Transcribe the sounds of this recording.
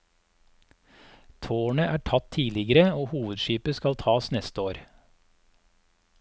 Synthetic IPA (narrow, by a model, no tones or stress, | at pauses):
t̪ʰoːɳəʔæːʈʰɑt̪ʰiːlɪɡəɾəoːhuːʋəd̪ʃiːpəskɑlt̪ʰɑːsnɛst̪əoːɾ